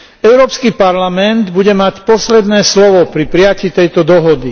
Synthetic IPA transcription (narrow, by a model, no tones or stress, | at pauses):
ɛʊɾɔːpskipaɾlamɛnd̪buɟɛmacpɔslɛd̪nɛːslɔʋɔpɾipɾiaciːt̪ɛjt̪ɔd̪ɔɦɔd̪i